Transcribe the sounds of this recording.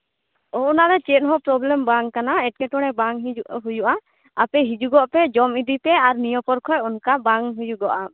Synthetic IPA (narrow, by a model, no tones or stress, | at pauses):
ɔʔɔnaɾɛt͡ʃɛt̪̚ɦɔpɾɔblɛmbaŋkanaɛt̚kɛʈɔɽ̃ɛbaŋɦujuʔa | apɛɦid͡ʒuɡɔʔpɛd͡ʒɔmid̪ipɛaɾnijɔpɔɾkʰɔjɔnkabaŋɦujuɡɔʔa